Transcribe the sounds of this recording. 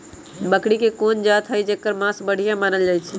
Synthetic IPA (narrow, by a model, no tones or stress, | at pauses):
bəkɽikekond͡ʒat̪ɦəjd͡ʒekːəɾmasbəɽ̤ijãmanəld͡ʒajt͡ʃʰɛ